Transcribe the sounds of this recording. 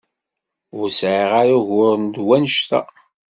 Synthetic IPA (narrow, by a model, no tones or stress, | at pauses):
ʊɾsʕiʁaɾaʝʊɾənd̪wænʃt̪æ̰